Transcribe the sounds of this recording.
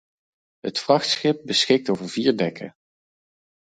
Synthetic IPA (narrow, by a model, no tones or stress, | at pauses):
ɦətfrɑχtsχɪp̚bəsχɪk̚towvəɹviːɹdɛkʰə